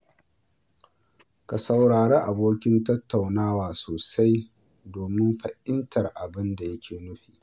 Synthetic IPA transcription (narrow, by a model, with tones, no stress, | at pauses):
ka˨sɐ˨wɽaː˨ɽeː˦ʔa˨boː˦kʲɪ˦ntɐ˦tːa˨wnaː˦waː˨soː˨sa˦j | doː˨mɪ˦mɸɐ˨ʔɪ˦ntʰɐ˨rʔa˨bɪ˦nda˨jɐ˦kʲeː˨nʊ˦ɸiː˨ʔ